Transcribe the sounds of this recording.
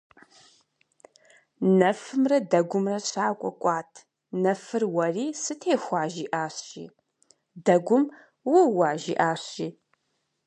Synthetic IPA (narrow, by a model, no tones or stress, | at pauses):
nɐfɨmrɐdɐɡʷʊmrɐɕʰʼaːkʷʼɔ̰kʷʼɑːtʰ | nɐfɨrwɐriːsɨtʰeːxʷɑːʒiːʔaːɕḭː | dɐɡʷʊm | wʊwaːʒḭːʔaːɕiː